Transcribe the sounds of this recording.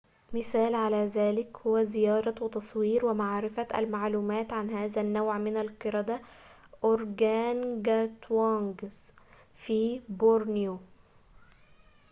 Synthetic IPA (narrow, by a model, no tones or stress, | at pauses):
mɪsæːlʕalæːzæːlɪkhʊwæzɪjɑːɾˤɑwɪt̪ɑsˤwiːɾwɪmaʕɾɪfæʔæ̰lmaʕluːmæːt̪ʕanɦæːzænːawʕmɪnælqɨɾˤɑd̪æ | ʔoɾɡæːnɡæt̪wɑŋɡz | fiːboɾnjo